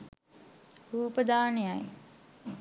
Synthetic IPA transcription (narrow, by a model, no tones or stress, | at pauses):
ɾuːpəd̪aːnejaj